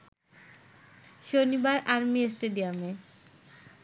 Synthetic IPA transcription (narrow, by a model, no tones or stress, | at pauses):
ʃonibaɾʔaɾmiesʈeɖiame